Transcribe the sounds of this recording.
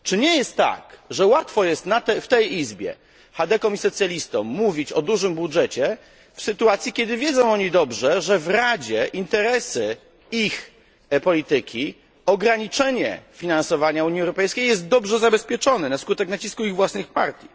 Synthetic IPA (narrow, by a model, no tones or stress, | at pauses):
t͡ʂɘɲɛjɛst̪ːa̰kʐɛwat̪fɔjɛst̪nat̪ɛft̪ɛjizbʲjɛ̰ | xad̪ɛkɔ̃misɔt̪sʲjalʲist̪ɔmːuvʲit͡ɕɔd̪uʐɘmbudʐɛt͡ɕɛ | fsɘt̪uat̪sʲjikʲɛd̪ɘvʲjed̪zɔ̃w̃ɔɲid̪ɔbʐɛʐɛvɾad͡ʑɛʔint̪ɛɾɛsɘ | ix | pɔlʲit̪ɘkʲʰi | ɔɡɾaɲit͡ʂɛɲɛ̰fʲinansɔvaɲauɲiɛwɾɔpɛjskʲejɛs̬t̪̚d̪ɔbʐɛzabɛspʲjɛt͡ʂɔnɛnaskut̪ɛknat͡ɕiskuiɣvwasnɘxpa̰ɾt̪ʲji